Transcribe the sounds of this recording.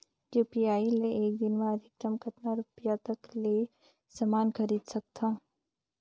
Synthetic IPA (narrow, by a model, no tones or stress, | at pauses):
juːpiaːileeːk̚d̪ɪnmẽɐd̪ʱɪkɾəmɡʱɐʈnaɾʊpjat̪ɐkle | sɐmaːnxɐɾiːd̪sɐk̚t̪ʰaː